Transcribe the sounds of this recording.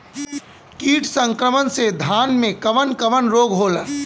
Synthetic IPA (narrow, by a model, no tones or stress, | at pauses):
kiːʈʰsə̃ŋkɾəmənsed̪ʱaːnmẽkɐʋənkəʋənɾoːɡɦoːlaː